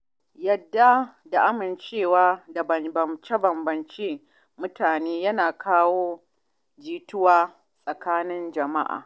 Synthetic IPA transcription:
jɐ˨dːa˦da˨ʔa˦mɪ˨nt͡ʃeː˦˨waː˦da˨bɐ˨bɐ˨mt͡ʃe˦bɐ˨mbɐ˨nt͡ʃeː˦ | mʊ˦taː˨neː˦jɐ˦naː˨kʰaː˦woː˦ | d͡ʒiː˦tʊ˦waː˦ | sʼɐ˨kaː˦nɪ˦nd͡ʒɐ˨ma˦ʔa̰ː˨

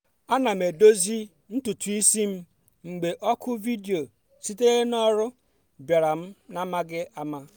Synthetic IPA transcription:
a˦na˨m̩e˨do˦zi˦ | n̩˦tu˨tu˨i˦si˦m̩˦ | ŋ͡m̩˨ɡ͡be˨ʔɔ˦kʰʊ˦vi˦di˨o˨ | si˦te˦e˦nɔ˦ɾʊ˦ | bja˨ɾa˨m̩˦na˦ma˦ɡɪ˦ʔa˦ma˦

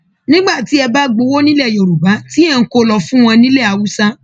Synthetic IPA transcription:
nĩ˦ɡ͡ba˦˨ti˨˦ɛ˧ba˦ɡ͡bo˧˦wo˦nĩ˦lɛ˦˨jo˨ɾu˨ba˨˦ti˦ɛ˧ŋ̩˦ko˧lɔ˧fũ˦w̃ɔ̃˧nĩ˦lɛ˦˨a˨wu˦sa˦

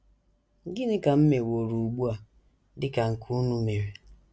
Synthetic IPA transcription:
ŋ̩˦ɡɪ˦nɪ˦ka˨m̩˦me˨wo˨ɾu˨u˨ɡ͡bu˦a˨ | dɪ˦ka˨ŋ̩˨kʰu˦nu˦me˨we˨

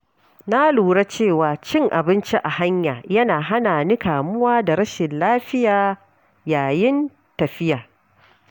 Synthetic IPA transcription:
na˦luː˨ɽa˦t͡ʃeː˦˨waː˨t͡ʃɪ˦ŋʔa˨bɪ˦nt͡ʃi˦ʔa˨ha˦ɲjaː˨jɐ˦naː˨ɦa˦naː˨ni˦kaː˨mʊ˦waː˦da˨ɾɐ˦ʃɪ˨nlaː˦ɸɪ˦jaː˨ | jaː˨jɪ˦n | tɐ˨ɸɪ˦jaː˨

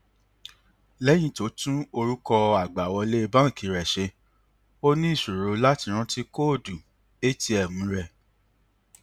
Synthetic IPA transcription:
lɛ˦j̃ĩ˧˨to˨˦tũ˦o˧ɾu˦kɔ˧a˨ɡ͡ba˨wɔ˧le˦e˧bã˦ŋ̩˦˨kʰi˨˦ɾɛ˨ʃe˧ | o˦nĩ˦i˦˨ʃu˨ɾo˧la˦ti˧ɾ̃ũ˦ti˦ko˦˨du˨ | e˦ti˧ɛ˨mũ˨˦ɾɛ˧

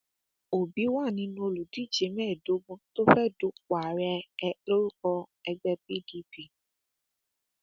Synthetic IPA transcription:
o˨bi˨˦wa˦˨nĩ˧˦nũ˧o˧lu˨di˨˦˨d͡ʒe˨˦mɛ̃ː˦˨do˨˦ɡũ˧to˦fɛ˦˨du˨˦k͡pa˨ɾɛ˧lo˦ɾu˦kɔ˧ɛ˧ɡ͡bɛ˦pi˦˨di˦pi˦˨

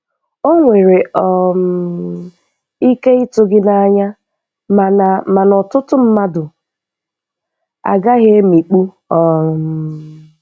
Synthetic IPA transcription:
o˦ŋʷe˨ɾe˨ʔɔ˨m | i˦ke˦i˦tʊ˦ɡɪ˦na˦ɲa˦ | m˨ma˨nɔ˨tʊ˦tʊ˦m̩˦ma˦dʊ˨ | a̰˨ɡa˦ɦe˦mi˨k͡pu˦ | ɔ˨m˨

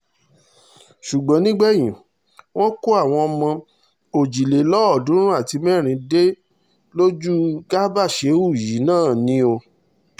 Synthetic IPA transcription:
ʃu˨ɡ͡bã˨˦nĩ˦ɡ͡bɛ˦j̃ĩ˨ | w̃ɔ̃˦ko˦a˦˨w̃ɔ̃˧ɔ˧mã˧ | o˨d͡ʒi˨le˨lɔ˦ɔ˦˨dũ˨˦ɾ̃ũ˦a˦˨ti˧mɛ˦˨ɾ̃ĩ˧de˦ | lo˦d͡ʒu˦ɡa˦ba˦˨ʃe˨˦u˦˨ji˨˦nãː˦˨nĩ˦o˧

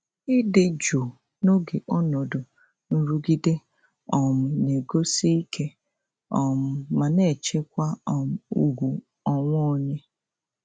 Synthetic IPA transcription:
ɪ˦dɪ˨d͡ʒo˨ | no˦ɡe˨ʔɔ˦nɔ˨dʊ˨ | n̩˨ɾu˦ɡi˦de˦ | ɔ˨mʊ˨ne˨ɡo˦si˦i˦kʰe˦ | ɔ˨m̩˨ma˨ne˦˨t͡ʃe˦kʷa˦ɔ˨m̩˨u˨ɡʷu˨ | ɔ˦ŋʷɔ˦o˨ɲe˦

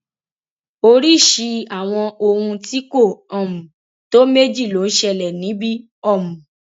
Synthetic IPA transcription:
o˧ɾi˦˨ʃi˧a˨w̃ɔ̃˧o˧hũ˧ti˦ko˦˨ɔ˨mũ˨ | to˦me˦d͡ʒi˦˨lo˨˦n̩˦ʃɛ˧˨lɛ˨nĩ˨˦bi˦ | ɔ˦˨mũ˨

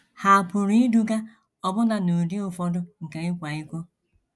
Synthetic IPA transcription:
ha˨pʊ˨ɾi˦du˦ɡa˦ | ɔ˦bʊ˦na˦˨nu˨di˦ʊ˨fɔ˦dʊ˦ŋ̩˨ka˨ɪ˦kʷa˨i˦kʷo˦

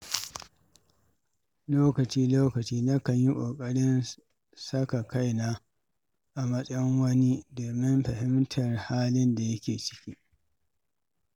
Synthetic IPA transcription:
loː˦kɐ˨t͡ʃiː˦loː˦kɐ˨t͡ʃiː˦na˦kɐ˨ɲji˦kʷʼoː˨kʼɐ˦ɽɪ˦n | sɐ˦ka˨ka˦jnaː˦ | ʔa˨mɐ˦sʼɐ˦jŋwɐ˦ni˦doː˨mɪ˦mɸɐ˨hɪ˦mtʰɐ˨rhaː˦lɪ˦nda˨jɐ˦kʲeː˨t͡ʃɪ̥˦kʲiː˦

